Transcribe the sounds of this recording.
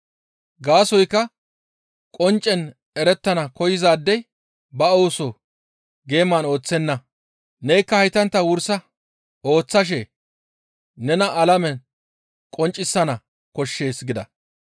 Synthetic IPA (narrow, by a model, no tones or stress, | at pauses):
ɡaːsɔjkːɐ | kʼɔnt͡ʃʼːɛn | ɛɾɛt̪ːɐnɐkɔjɪzaːd̪ːɛj | bɐoːso | ɡe̞ːmaːno̞ːt͡sːɛnːɐ | nejkːɐhɐjt̪ɐnt̪ːɐwʊɾsɐ | o̞ːt͡sːɐʃ̬ɛ | nɛnɐʔɐlɐmɛn | kʼɔnt͡ʃʼːɪsːɐnɐ | kɔʃːe̞ːsɡɪd̪ɐ